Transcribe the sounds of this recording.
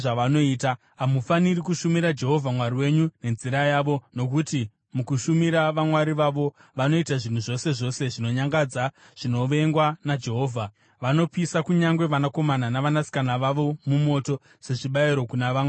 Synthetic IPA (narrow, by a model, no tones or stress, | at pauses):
ʐaʋano̞iːta | ɦamufanirikuʃumiɾad͡ʒe̞ɦo̞vʱamwaɾiwe̞ɲune̞nziɾajaːʋo̞no̞kuti | mukuʃumiɾaʋamwaɾiʋaʋo̞ | ʋano̞itaʐin̤uʐo̞se̞ʐo̞se̞ʐino̞ɲaŋɡad͡za | ʐ̥ino̞ʋe̞ŋɡwanad͡ʒe̞ɦo̞ːvʱa | ʋano̞pisakuɲaŋɡwe̞ʋanako̞mananaʋanasi̥kanaʋaʋo̞mumo̞to̞ | se̞ʐiɓaiɾo̞kunaʋawa